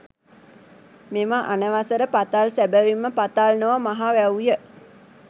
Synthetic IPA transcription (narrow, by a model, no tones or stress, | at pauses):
meməʔanəʋasəɾəpat̪alsæbəʋimːəpat̪alnoʋamaɦaʋɛujə